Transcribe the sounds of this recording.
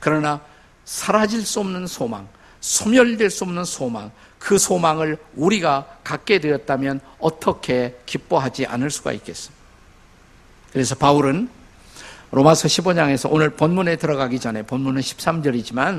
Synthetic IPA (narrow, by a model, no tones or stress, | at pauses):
kɯɾʌna | sʰaɾad͡ʑiɭs͈uʌmnɯnsʰomaŋ | sʰomjʌʎdweɭs͈uʌmnɯnsʰomaŋ | kɯsʰomaŋɯɭuɾiɡakak͈e̞dwe̞jʌt̚t͈amjʌnʌt͈ʰʌkʰe̞kip̚p͈oɦad͡ʑiʔa̰nɯɭs͈uɡa̰ik͈e̞s͈ɯm | kɯɾe̞sʰʌpauɾɯn | ɾomasʰʌɕʰibod͡ʑaŋe̞sʰʌʔonɯɭponmune̞tɯɾʌɡaɡid͡ʑʌne̞ponmunɯnɕʰi̥p̚s͈amd͡ʑʌɾid͡ʑiman